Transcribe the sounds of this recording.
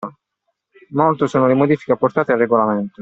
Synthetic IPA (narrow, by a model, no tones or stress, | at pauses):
molt̪osoːnolemod̪iːfi̥keaport̪aːt̪ealrːeɡolament̪o